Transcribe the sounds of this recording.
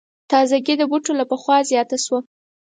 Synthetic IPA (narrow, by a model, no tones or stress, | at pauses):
t̪ɑzaɡid̪əbuʈolapəxwɑzjɑt̪aʃwa